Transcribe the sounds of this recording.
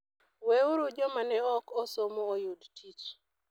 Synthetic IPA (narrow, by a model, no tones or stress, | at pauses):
weuɾud͡ʒɔmanɛɔkɔsomɔojudtʰit͡ʃ